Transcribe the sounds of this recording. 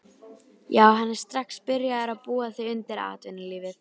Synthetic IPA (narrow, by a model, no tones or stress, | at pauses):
jaːwɦanːɛɾ̥st̪ɾaxspɪɾjaðɛɾaðpuːaθiʏnt̪ɪɾa̰ːt̪vɪnɪliːvɪθ